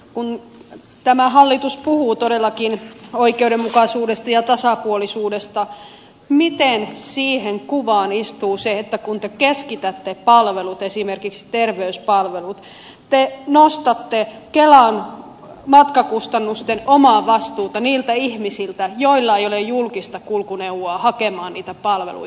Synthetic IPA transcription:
kun | t̪æmæɦɑlːit̪uspuhuːt̪odelːɑkinoikeuɾemmukɑsuːdest̪ɑjɑt̪ɑsɑpuolisuːdest̪ɑ | mit̪ensiːheŋkuʋɑːnist̪uːseet̪ːækunt̪ekeskit̪æt̪ːepɑlʋelut̪esimerkikst̪erʋeyspɑlʋelut̪ | t̪enost̪ɑt̪ːekelɑn | mɑt̪kɑkust̪ɑnːust̪enomɑːʋɑst̪uːt̪ɑniːlt̪æihmisilt̪æjoilːɑeijolejjulkist̪ɑkulkuneuwoɑːhɑkemɑːnniːt̪æpɑlʋḛlṵj

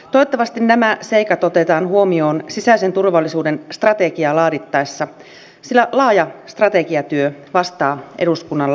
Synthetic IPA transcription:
t̪oet̪ːɑʋɑst̪innæmæse̞ikɑt̪ot̪e̞t̪ɑːnhuomio̞ːnsisæise̞nt̪urʋɑlːisuːde̞nst̪rɑt̪e̞ɡiɑlɑːdit̪ːɑesːɑ | silːælɑːjɑst̪rɑt̪e̞kiɑt̪yøʋɑst̪ɑːʔeɾuskunːɑlː

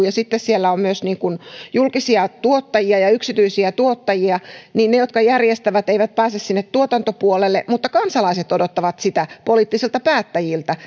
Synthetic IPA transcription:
jɑsit̪ːessielːæommyøsniːŋkunjulkisiɑt̪uot̪ːɑjiɑjɑyksit̪yisiæt̪uot̪ːɑjiɑniːnnejot̪kɑjærjest̪æʋæt̪eiʋæt̪̚pæːsessinːet̪t̪uot̪ɑnt̪opuolelːemut̪ːɑkɑnsɑlɑiset̪odot̪ːɑʋɑt̪sit̪æpoliːˑt̪ːisilt̪ɑpæːt̪ːæjilt̪æ

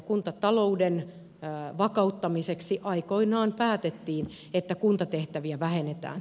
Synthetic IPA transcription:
kunt̪ɑt̪ɑlo̞uden | ʋɑkɑut̪ːɑmiseksiʔɑikoinɑːnpæːt̪et̪ːiːn | et̪ːækunt̪ɑt̪eht̪æʋiæʋæhenet̪æ̰ːn

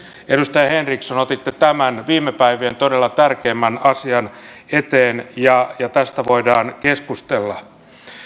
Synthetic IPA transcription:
edust̪ɑjɑhenriksɑnot̪it̪ːet̪æmænʋiːmːepæiʋient̪odelːɑt̪ærkeːmːænɑsiɑn | et̪eːnjɑjɑt̪æst̪æʋoidɑːnkeskust̪elːɑ

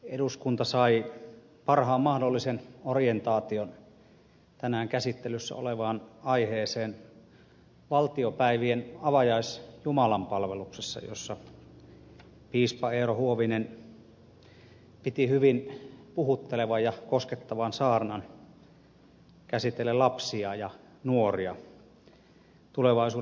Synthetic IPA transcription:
eɾuskunt̪ɑsɑi | pɑrhɑːmmɑhdolːisenorient̪ɑːt̪ion | t̪ænæːŋkæsit̪ːelysːæ̰o̰leʋɑːnɑiheːseːn | ʋɑlt̪iopæiʋienɑʋɑjɑisjumɑlɑmpɑlʋeluksesːɑ̰jo̰sːɑ | piːspɑeːrohuoʋinen | pit̪ihyʋinpuhut̪ːeleʋɑjjɑkosket̪ːɑʋɑnsɑːrnɑn | kæsit̪elːelɑpsiɑjɑ | nuoriɑ | t̪uleʋɑˑisuː

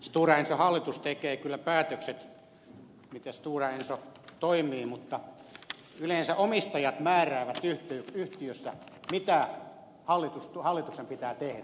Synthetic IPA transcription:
st̪uːrɑensohɑlːit̪ust̪ekeːkylːæpæːt̪økset̪ | mit̪est̪uːrɑensot̪oimˑiːmut̪ːɑ | ylensæʔomist̪ɑjɑt̪mæːræːʋæt̪yht̪yyht̪iøsːæ̰mit̪æ | hɑlːit̪ust̪uhɑlːit̪uksempit̪æːt̪ehdæ

